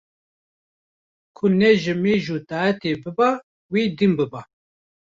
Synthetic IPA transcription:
kʰʊnɛʒɪmeːʒuːt̪aːɛt̪eːbɨba | wiːd̪imbɨba

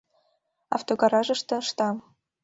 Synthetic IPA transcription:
ɑ̰ft̪oɡɑɾɑʒɤ̆ʃt̪ɤ̆ʃt̪ɑ

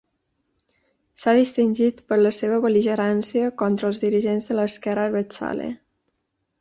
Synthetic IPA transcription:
saðist̪inʲʒit̪pəɾləseβəβəliʒəɾansiəkɔnt̪ɾəlˠzðiɾiʒenzðələːskɛɾəɾβət͡sa̰lḛ

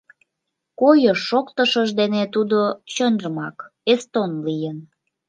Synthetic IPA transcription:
kojəʃːokt̪əʃəʒd̪enet̪ud̪ot͡ɕønʒəmɑkest̪onlijən

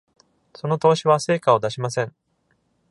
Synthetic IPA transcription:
so̞no̞t̪o̞ːɕiβase̞ːkao̞d̪aɕimasẽ̞ɴŋ

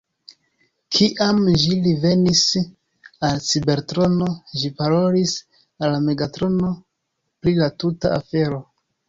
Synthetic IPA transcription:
kʰiʔamʒilive̞nis | alt͡sibe̞ɾtɾo̞no̞ʒipaɾo̞lis | alːame̞ɡatɾo̞no̞ | pɾilatuta̰afe̞ɾo̞

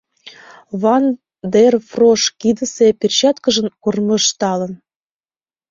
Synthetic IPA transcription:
βɑn | d̪erfroʃkid̪ə̆sepʲirt͡ɕɑt̪kə̆ʒə̆nkurmə̆ʃt̪ɑlə̆n

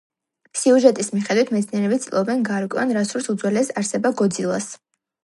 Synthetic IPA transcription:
siuʒɛt̪ʼismiχɛd̪wit̪ʰmɛt̪sʰniɛɾɛbit̪sʼlˠɔbɛnɡaɾkʼwɛ̰a̰nɾasuɾsud̪zwɛlɛsaɾsɛbaɡɔd̪zilˠas

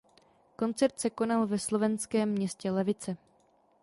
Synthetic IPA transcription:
ko̞nt͡sɛɾt̪sɛko̞nalvɛslo̞vɛnskɛːmːɲɛscɛlɛvɪt͡sɛ

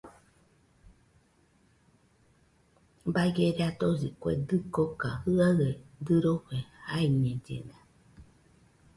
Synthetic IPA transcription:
baɡeɾeat̪ozikʷḛd̪ɨkokahɨaed̪ɨɾoɸehaiɲẽd͡ʒḛnã

